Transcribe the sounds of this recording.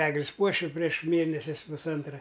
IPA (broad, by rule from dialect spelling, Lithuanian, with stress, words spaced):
ˈæːɡlʲɪs ˈpuɔʃʲɪ pʲrʲiɛʃ ˈmʲeːnʲɛsʲɪs pʊsˈɐntrɐ